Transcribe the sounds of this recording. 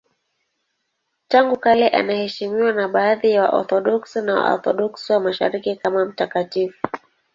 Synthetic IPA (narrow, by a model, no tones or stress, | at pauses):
taŋɡukalɛʔa̰nahɛʃimiwanaɓaːðijawa̰ʔɔ̰ɾθɔɗɔksinawa̰ɔ̰ɾθɔɗɔksiwamaʃa̰ɾikikamam̩takatifu